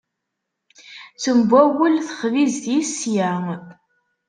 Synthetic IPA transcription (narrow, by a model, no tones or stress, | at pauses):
t͡sːəmbʷæwəlθə̥χvizθjisjæ